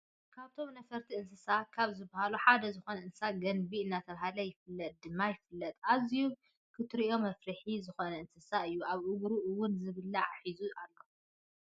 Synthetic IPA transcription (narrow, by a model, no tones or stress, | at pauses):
kʰaβt̪ʰo̞mnɐfɐɾt̪ʰiɨnsɨsakʰaβzɨbːahaluħad̪ɐzɨxonɐʔɨnsɨsaɡɐnbiɨnːat̪ʰɐβaɦalɐjɪfɨlːɐt̪̚ʼd̪ɨmːajɪfɨlːɐt̪ʼaziju | kʰɨt̪ʰɾiʔo̞mɐfɾɨħizɨxonɐɨnsɨsaɨjːuaβʔɨɡɾuʔɨwʊnzɨβɨlːaʕaħizuʔalːo